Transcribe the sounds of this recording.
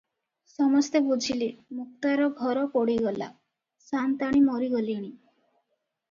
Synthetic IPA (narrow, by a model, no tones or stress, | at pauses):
sɔmɔst̪ebud͡ʒʱilimuk̚t̪aɾɔɡʱɔɾɔpɔɽiɡɔla̰ | sant̪aɽ̃imɔɾiɡɔliɽ̃i